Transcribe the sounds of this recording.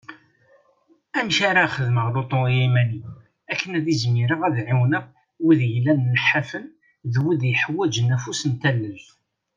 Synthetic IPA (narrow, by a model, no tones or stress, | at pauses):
æmçaɾaχəðməʁlot̪ˤoimæni | ækʰːənæðizmɪɾəʁæðʕiwnəʁ | wiðjəlːænːəħːafən | ðwid̪jəħwæd͡ʒənæfusənt̪ælːəv